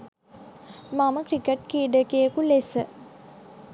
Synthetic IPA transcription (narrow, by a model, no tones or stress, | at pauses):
maməkɾikeʈkiːɖəkejəkulesə